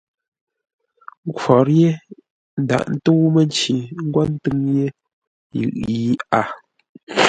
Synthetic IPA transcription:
ŋ˦kwɔ˨ɾje˦ | n̩˦da̰˨ʔn̩˦tu˦mə˦n˦t͡ʃi˨ŋ̩˦ɡwa˦n̩˦tɨ˦ŋje˦ | jɯ̰˨ʔji˨˦a˦˨

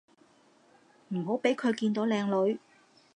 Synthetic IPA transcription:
m̩˨˩ɦo˨˥wpe˨˥jkʰɵ˨˧ɥkiː˧nt̪o˨˥wlɛː˧ŋlɵ˨˧ɥ

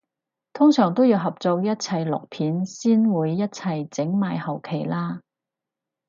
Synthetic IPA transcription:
t̪ʰʊ˥ŋsœː˨˩ŋt̪o˥wjiː˧wɦɐ˨p̚t͡so˧wjɐ˥t̚t͡sʰɐ˨jlʊ̰˨k̚pʰiː˨˥nsiː˥nwuː˨˧jːɐ˥t̚t͡sʰɐ˨jt͡sɪ˨˥ŋmaː˨jhɐ˨˩wkʰe˨˩jlaː˥

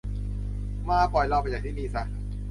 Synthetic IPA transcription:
maː˧˩pɔ˨˩jla˧˩pa˧jaː˨˩kt̪ʰiː˥˩niː˧˩sa˧˩

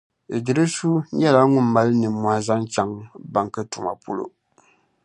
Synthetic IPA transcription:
dɪ˨ɾɨ˦su˦ɲɛ˦la˦ŋʊ˦mː˦a˦lnɨ˨mːwa˦za˦ŋ˦t͡ʃa˦ŋba˨ŋ˨ka˦tu˨ma̰˨po˦lo̰˦

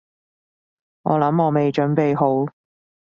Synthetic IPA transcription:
ŋɔ̰ː˨˧lɐ˨˥mɔː˨˧me˨jt͡ʃɵ˨˥npe˨jɦo˨˥w

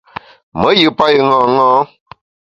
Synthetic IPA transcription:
mə̃˨˦ji˨˦˨pa˦ji˨˦ŋɔ̃˨˦ŋɔ̃˦

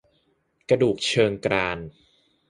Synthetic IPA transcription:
kɾa˧duː˨˩k̚t͡ɕʰɤː˧ŋkɾaː˧n

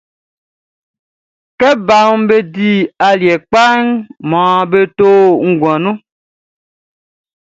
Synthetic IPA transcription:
kɛ˦ba˨m˦be˦di˦a˨ljɛ˨k͡pa˦ŋmɔ̃ː˨be˦to˦ŋ̩˦ɡwɔ̃˨nũ˦

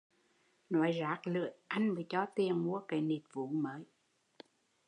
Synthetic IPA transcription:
nɔ˨˩˦jzaː˨˦k̚lɨ̰˧˨əjʔa˧jŋ̟mɨ˨˦t͡ɕɔ˧t̪i˨˩əŋmu˧˦əkə˨˩˦ni˨˩t̚vṵ˧˨˦məː˨˦j

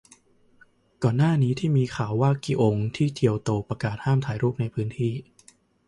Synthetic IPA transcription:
kɔː˨˩nːaː˥˩niː˦˥t̪ʰiː˥˩miː˧kʰaː˩˦wːaː˥˩kːi˧˩ʔo˧ŋt̪ʰiː˥˩t̪ʰi˧əwt̪oː˧pɾa˧kaː˨˩t̪̚haː˥˩mt̪ʰaː˩˦jɾuː˥˩p̚na˧jpʰɯː˦˥nt̪ʰiː˥˩

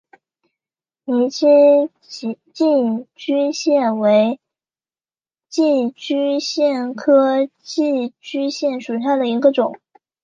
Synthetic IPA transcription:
ni˧˥t͡ɕi˥˧˥ | t͡ɕi˥˩t͡ɕy˥ɕjɛ˥˩nwe˧˥ɪ | t͡ɕi˥˩t͡ɕy˥ɕjɛ˥˩nkʰɤ˥t͡ɕi˥˩t͡ɕy˥ɕjɛ˥˩nʂu˨˩ʂ̬ɑ˥˩d̪ə˩i˧˥ɡə˧ʈ͡ʂʊ˨˩˦ŋ

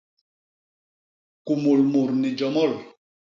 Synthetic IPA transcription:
ku˨mo˨lmo˨ɾni˨d͡ʒɔ˨mɔ˦˨l

